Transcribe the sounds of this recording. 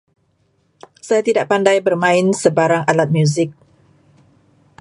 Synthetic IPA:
sajat̪idaʔ̚pandajbərmãɪnsəbaɾaŋalat̪̚mjuzɪk̚

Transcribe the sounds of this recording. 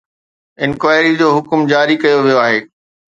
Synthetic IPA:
ɪ̃nkʋaːɪɾid͡ʑoːɦʊkmd͡ʑaːɾikɐjoʋijoaːɦeː

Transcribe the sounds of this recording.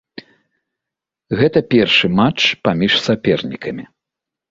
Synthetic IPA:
ɣɛt̪ɐpʲɛrʂɨmat͡ʂpamʲiʂsapʲɛrnʲikʰɐmʲi

